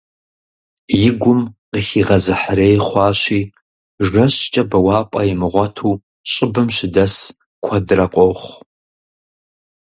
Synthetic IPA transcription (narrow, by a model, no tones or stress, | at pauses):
jɪɡʷʊmqixiːʁɐzɨħɾeːjχʷɑːɕiː | ʒʷɐɕt͡ʃʼɐbɐwɑːpʷʼɐjɪmɨʁʷɔtʰuː | ɕʼɪbɨmɕɪdɐs | kʷʰɐdrɐqʷʼɔχʷ